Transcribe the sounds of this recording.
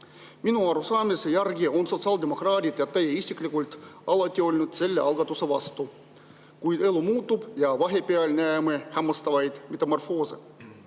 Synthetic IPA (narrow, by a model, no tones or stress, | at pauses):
minuɑɾusɑːmesejærɡio̞nso̞t̪siɑːld̪ʲemo̞krɑːt̪ʲit̪jɑt̪ejeisʲiklʲikulʲt̪ɑlɑt̪ʲːiolʲnut̪se̞lʲːeʔɑlɡɑt̪ːuseʋɑst̪u | kujt̪e̞lumuːt̪ːˑupjɑʋɑɦepeɑlʲnæemehæmːɑst̪ɑʋɑjd̪met̪ɑmorfoːsḛ